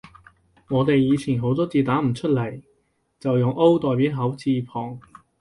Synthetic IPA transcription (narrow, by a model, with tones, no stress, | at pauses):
ŋɔː˨˧t̪e˨jjiː˨˧t͡sʰiː˨˩nɦo˨˥wt̪ɔː˥t͡siː˨˧t̪aː˨˥m̩˨˩t͡ʃʰɵ˥t̚lɐ˨˩j | t͡sɐ˨wjʊ˨ŋʔo˥wt̪ɔː˨˧jpiː˨˥wɦɐ˨˥wt͡siː˧pʰɔː˨˩ŋ